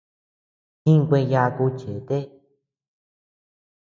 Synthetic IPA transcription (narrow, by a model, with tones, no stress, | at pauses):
hĩ˦ŋ˧kʷẽ˧ja˧ku˧t͡ʃe˨˦t̪e˦